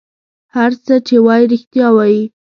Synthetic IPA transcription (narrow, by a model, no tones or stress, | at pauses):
haɾt͡sət͡ʃewɑjiɾɪxt̪jɑwɑji